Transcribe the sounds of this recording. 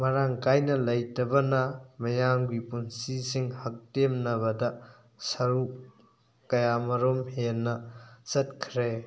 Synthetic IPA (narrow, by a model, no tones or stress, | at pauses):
mɐɾaŋkajnɐlɐjtɐbɐnɐmɐjamɡipunsisiŋhɐk̚temnɐβɐdɐ | sɐɾu | kɐjamɐɾomhenːɐsɐt̚kʰɾe